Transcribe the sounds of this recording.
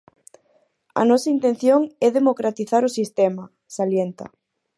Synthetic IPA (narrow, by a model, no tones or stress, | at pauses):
ɐ̰nɔsɐint̪ẽn̟θjoŋɛðemokɾat̪iθaɾʊsist̪ɛmɐ | saljent̪ɐ̰